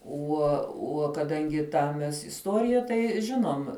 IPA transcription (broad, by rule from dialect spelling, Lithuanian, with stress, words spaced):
ˈuɔ ˈuɔ kɐˈdɐŋʲɡʲɪ ˈtɑː mʲɛs ɪsˈtuɔrʲɪjɛ ˈtɐɪ ˈʒʲɪnoːm